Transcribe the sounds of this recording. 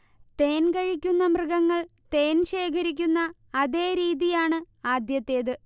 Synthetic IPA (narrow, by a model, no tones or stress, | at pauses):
t̪e̞ːnkɐɻikʲːunːɐmrɨɡɐŋːɐɭ | t̪e̞ːnɕe̞ːkʰɐɾik̬ʲːunːɐː | ðe̞ːɾiːðijaːɳɨ | aːd̪jɐt̪ːe̞ːðɨ